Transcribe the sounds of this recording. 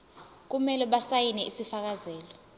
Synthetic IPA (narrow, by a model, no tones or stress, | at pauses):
k̬umɛlɛɓasajinɛʔisifak̬azɛːlɔ